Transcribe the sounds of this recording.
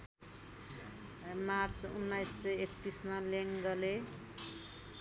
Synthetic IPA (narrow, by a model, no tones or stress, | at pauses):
mart͡sṵnːajsːʌet̪ːismaleŋɡʌle